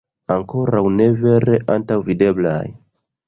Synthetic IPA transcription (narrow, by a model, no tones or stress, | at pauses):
aŋko̞ɾawne̞ve̞ɾeʔantawvide̞bla̰j